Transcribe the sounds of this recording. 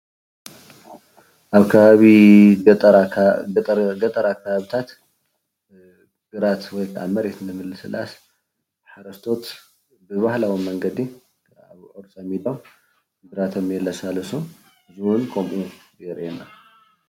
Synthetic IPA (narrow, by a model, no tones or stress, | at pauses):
ʔaβkʰɐβaβi | ɡɐt̪ʼɐɾakʰːɐβaβit̪ʰat̪ | ɡ̥ɨɾat̪wɔjkʰa̰mːɐɾet̪nɨmɨlːɨsɨ̰lʔa̰s | ħaɾɐst̪ʰo̞t̪ | bɨβahlawimɐŋɡɐd̪i | aβʕoɾt͡sʼajmilow | ɡɨɾat̪ʰɐmjɛlːasalɐsu | ɨziwʊnkʰomʔujɛɾʔena